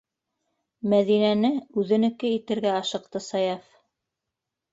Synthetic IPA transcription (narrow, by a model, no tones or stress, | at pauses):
mæðinænɘʉðɘ̆nɘ̆kɘit̪ɘ̆ɾɡæɑʃɤ̆q̚t̪ɤsɑjɑf